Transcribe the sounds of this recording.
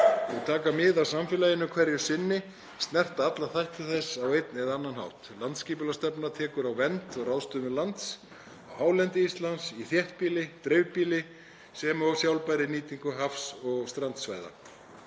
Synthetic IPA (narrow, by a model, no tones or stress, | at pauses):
ɛɣt̪ʰaːkamɪðawsamfɪːlajɪnʏkʰvɛɾjʏ̥sɪnːɪ | st̪nɛr̥t̪aat̪laθajht̪ʏθɛsawejt̪nɛðaanːanha̰wht̪lant̪sciːpʏlast̪ɛpnat̪ʰɛːkʏɾawvɛnt̪ɔɣrawðst̪ʏːmʏlant̪s | awhaːwlɛnt̪ɪist̪lansiθjɛht̪̚piːlɪt̪ɾeɥvpiːlɪ | sɛmaɔsjawlpajɾɪniːt̪iŋkʏɦafsɔɣst̪ɾant̪sva̰ːjða̰